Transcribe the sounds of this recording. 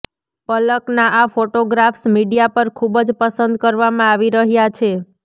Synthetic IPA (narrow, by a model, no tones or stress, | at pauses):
pələknaʔafoʈoɡɾafsmiɖijapəɾkʰubd͡ʒpəsənd̪kəɾʋamãaʋiɾəɦjat͡ʃʰe